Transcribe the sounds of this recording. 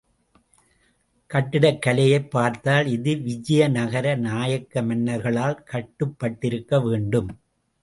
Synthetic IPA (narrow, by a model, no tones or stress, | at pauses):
kɐʈːɪɽɐkːɐlɐjɐɪpːaːɾt̪aːlɪðɯʋɪd͡ʒɐjɐnɐɣɐɾɐnaːjɐkːɐmɐnːɐɾɣɐɭaːlkɐʈːɯpːɐʈːɪɾɯkːɐʋeːɳɖɯm